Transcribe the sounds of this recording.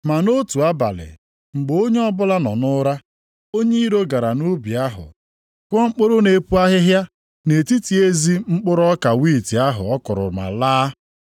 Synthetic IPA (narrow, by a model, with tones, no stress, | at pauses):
ma˨no˦tu˨a˦ba̰˨lɪ̰˨ | ŋ͡m̩˨ɡ͡bo˦ɲe˦ɔ˦bʊ˦la˦nɔ˨nʊ˦ɾa˦ | o˦ɲe˦i˦ɾo˦ɡa˨ɾa˨nu˦bi˨a˦ɦʊ̰˨ | kʷɔ˦ŋ͡m̩˦k͡pʊ˦ɾʊ˦ne˨pu˦a˦ɦɪ˦ɦja˦ | ne˨ti˦ti˨e˦zi˦ŋ͡m̩˦k͡pʊ˦ɾɔ˦ka˨wiː˦˨ti˨a˦ɦʊ̰˨ɔ˦kʊ˨ɾʊ̰˨ma̰˨laː˦